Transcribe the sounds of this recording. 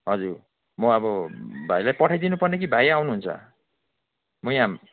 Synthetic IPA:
ɦʌd͡zur | mʌʌbʌbʱajlajpʌʈʰajd̪inupʌrnek̬ibʱajawnuɦunt͡sʰʌ̰ | mʌjã

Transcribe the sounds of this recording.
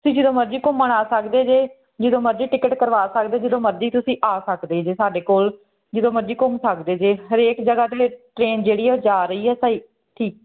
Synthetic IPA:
t̪ʊsĩːd͡ʒɪd̪õːməɾd͡ʒiːkʊmːəɳaːsəkd̪eːd͡ʒeː | d͡ʒɪd̪õːməɾd͡ʒiːʈɪkəʈkəɾʋaːsəkd̪eːd͡ʒɪd̪õːməɾd͡ʒiːt̪ʊsĩːʔaːsəkd̪eːd͡ʒeːsaːɖeːkoːl | d͡ʒɪd̪õːməɾd͡ʒiːkʊmsəkd̪eːd͡ʒeːɦəɾeːkd͡ʒəɡaːt̪eːʈɾeːnd͡ʒeːɽiːɛːd͡ʒaːɾəiːɦɛːsaːiː | ʈʰiːk̚

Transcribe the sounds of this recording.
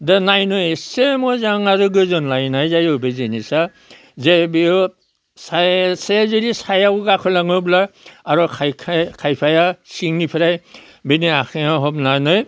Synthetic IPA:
dɯnajnɯjsemɔzaŋaɾuɡɯzɔnlajnajzajɔbezenisa | zebiɔ | sasezɯɾisajawɡakʰɯlaŋɯblaaɾɔkʰajkʰkʰajpʰajasiŋnipʰiɾaj | beniakʰeaɦɔbnanɯj

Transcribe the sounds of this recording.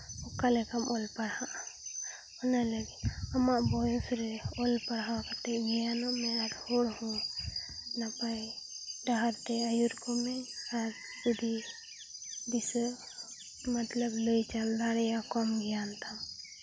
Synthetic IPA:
ɔkalɛkamɔlpaɽhaʔa | nalaɡiamaʔbɔjɔsɾɛɔlpaɽɦakat̪ɛʔmijanamɛaɾhɔɽhɔ̃ | napajɖaɦaɾt̪ɛajuɾkɔmɛaɾ | d͡ʒud̪i | bisə | mat̪labləjt͡ʃald̪aɽɛjakɔmɡijant̪am

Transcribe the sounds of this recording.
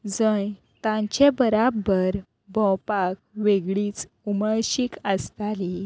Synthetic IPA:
d͡zəj | t̪ãɲt͡ɕebəɾabəɾ | bɔ̃wpak̚ʋeɡɭiːt͡s | uməɭɕikəst̪ali

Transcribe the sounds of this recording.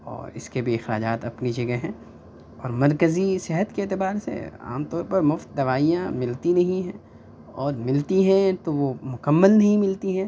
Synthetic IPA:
ɔ̰ːɾɪ̰skebʱiɪxɾaːd͡ʒaːt̪ɐpnid͡ʒɐɡəɦɦɛ̃ː | ɔːɾmɐɾkəzisɪɦət̪keːt̪ɪbaːɾsḛa̰ːmt̪ɔːɾpɐɾmʊft̪̚d̪ɐʋaːijãmɪlt̪inɐɦĩɦɛ̃ː | ɔːɾmɪlt̪iɦɛ̃t̪oʋomʊkəmːəlnɐɦĩmɪlt̪iɦɛ̃ː

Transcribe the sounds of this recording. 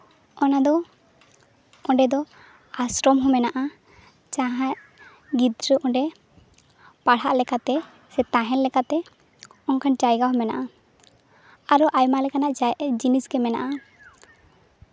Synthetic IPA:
ɔnad̪ɔ | ɔɖɛd̪ɔ | asɾɔmɦɔmɛnaʔa | t͡ʃaɦaʔ | ɡid̪ɾəʔɔɖɛ | paɽhaʔlɛkat̪ɛ | sɛt̪ãɦɛnlɛkat̪ɛ | ɔnkʰant͡ʃajɡaɦɔmɛna̰ʔa | aɾɔʔajmalɛkanaʔd͡ʒinisɡɛmɛna̰ʔa

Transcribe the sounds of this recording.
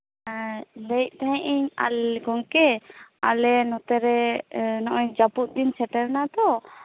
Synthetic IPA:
lɛjt̚ˀt̪aɦɛ̃ʔiɲa̰lɡɔŋkɛa̰lɛnɔt̪ɛɾɛnɔʔɔɲd͡ʒapuʔ̪̚d̪insɛʈɛɾnad̪ɔ

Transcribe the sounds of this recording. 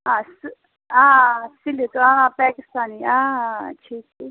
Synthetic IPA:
ãːs | ãːsilit̪oãːpɛːkɪst̪aːniã̰ːt͡ʃʰisi

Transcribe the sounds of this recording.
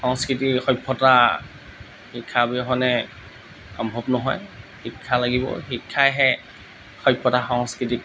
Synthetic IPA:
xɔŋskɹitixɔjpʰːɔta | hikʰːabiɔɦɔnɛ | ɔmbʱɔbnɔɦɔjxikʰːalaɡibɔ̰xikʰːajɦɛ | xɔjpʰːɔtaxɔŋskɹitik

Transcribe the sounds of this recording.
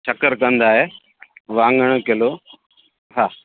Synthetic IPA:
t͡ʃʰɐkəɾkɐ̃nd̪aːɦeː | ʋãːŋɡəɽ̃keloː | ɦaː

